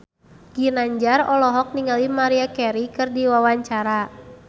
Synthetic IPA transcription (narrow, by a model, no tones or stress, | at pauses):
ɡ̥inaɲd͡ʒarɔlɔɦɔk̚niŋalimaɾiakɛɾikɨrdiwawaɲt͡ʃaɾa